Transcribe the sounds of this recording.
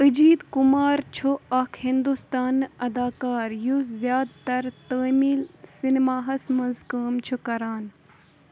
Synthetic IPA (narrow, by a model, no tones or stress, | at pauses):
ɨd͡ʒiːd̪kumaːɾt͡ʃʰuɐkʰhind̪ust̪aːnɐd̪aːkaːɾjuzjaːd̪t̪ɐɾt̪əːmiːlsinmaːɦɐsmɐnzkəːmt͡ʃʰukɐɾaːn